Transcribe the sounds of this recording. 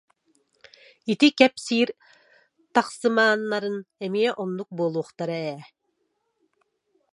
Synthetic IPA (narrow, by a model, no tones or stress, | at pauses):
it̪ikɛpsiːɾ | t̪ɑqsɯmɑːnːɑɾɯnɛmijɛʔɔnːuk̚buɔlˠuːχt̪ɑɾɯɛː